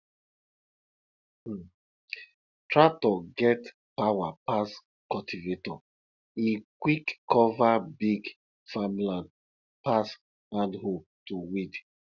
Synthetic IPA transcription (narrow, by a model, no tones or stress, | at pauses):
tʰɹatɔɡɛt | pawapas | kɔtʰivetɔ | ikwikːɔvabiɡ | famlãn | pas | hãndho | tuwid